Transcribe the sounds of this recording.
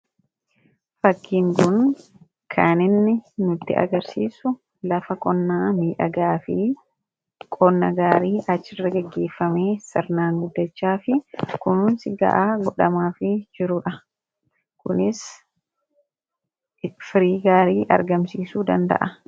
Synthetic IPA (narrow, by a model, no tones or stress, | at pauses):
fɐkːiːŋkʊn | kʰaːnɪnːɪnʊt̪ːɪʔɐ̰ɡɐɾsiːsʊ | lɐfɐkʼɔnːaːmiːᶑɐ̰ɡaːfɪ | kʼɔnːɐɡaːɾiːʔɐt͡ʃːɪrːɐɡɛɡːe̞ːfːɐme̞ːsɪɾnaːŋɡʊd̪ːɐt͡ʃːaːfɪkʊnuːnsɪɡɐ̰ʔaːɡɔᶑɐmaːfɪd͡ʒɪɾʊᶑɐ | kʊnɪs | fɪɾiːɡaːɾiːʔɐ̰ɾɡɐmsiːsuːd̪ɐnd̪ɐ̰ʔɐ